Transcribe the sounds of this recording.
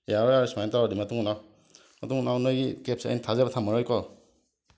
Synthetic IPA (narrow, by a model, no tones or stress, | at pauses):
jaɾɔjaɾismajntawadimatuŋnaw | matuŋnawnɯjɡikep̚sea̰jnitʰazabatʰamaɾɔjkɔ